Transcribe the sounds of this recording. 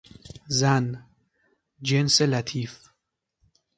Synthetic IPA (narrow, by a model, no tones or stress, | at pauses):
zæn | d͡ʒenselæt̪ʰif